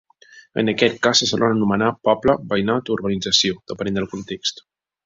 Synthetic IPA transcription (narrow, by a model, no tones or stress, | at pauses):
ə̰nəkɛt̪̚kasəzəβanənumənapɔpləbəjnat̪uɾβənid͡zəsioð̥əpənẽnd̪əlˠkunt̪ekst̪